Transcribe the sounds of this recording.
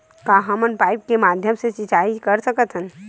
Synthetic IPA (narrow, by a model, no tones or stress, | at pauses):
kaːɦɐmənpaːɪp̚kemaːd̪ʱjəmset͡ʃit͡ʃaːikɐɾsəkət̪ɦən